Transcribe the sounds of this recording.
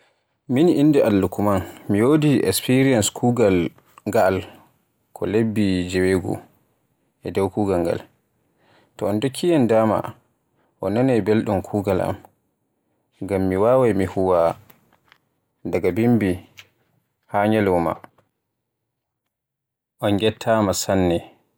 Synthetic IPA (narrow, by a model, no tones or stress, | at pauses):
miniʔindɛʔalːukumanmijoːdiʔɛ̰kspiɾijanskʰuːɡal | ŋɡaːl | kʰɔlebːid͡ʒɛweɡɔ̰ | ʔɛdɛwkuːɡalŋɡa̰l | tɔɔndokʰːijandaːma̰ | ʔɔnːanɛjbelɗumkʰuːɡala̰m | ŋɡamːiwaːwajmihuwa | daɡabimbi | haɲɛlwɔma̰ | ʔɔnɡɛtʰːamasanːɛ